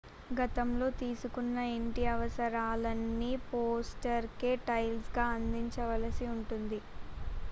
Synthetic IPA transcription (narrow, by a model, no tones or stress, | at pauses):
ɡɐt̪ɐmlo̞ːt̪iːsukunːɐeɳʈiɐʋɐsɐɾaːlɐnːipoːsʈɐɾkeːʈɐjlsɡaːɐnd̪iɲt͡ʃɐʋɐlɐsiuɳʈund̪i